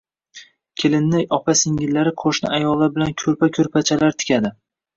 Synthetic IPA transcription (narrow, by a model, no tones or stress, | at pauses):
kʲʰelɪnːajɒpʰasɪŋɪllːaɾɪqʰoʃnɪ̰ajɒlˠːaɾbɪlankʲʰɵɾpakʰʲɵɾpʰat͡ʃʰalaɾt̪ʰɪ̥kʲʰad̪ɪ